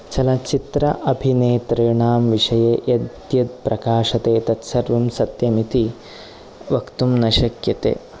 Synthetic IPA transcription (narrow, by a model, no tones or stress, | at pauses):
t͡ʃɐlɐt͡ʃit̪ɾɐ̰ʔɐbʱineːt̪ɾɐɳaːmʋiʂɐjeːʔɐd̪ | jɐd̪̚pɾʔɐkaːʂɐt̪eːt̪ɐt̪sɐɾʋumsɐt̪jɐmit̪i | ʋɐkt̪umnɐʃɐkjɐt̪ḛː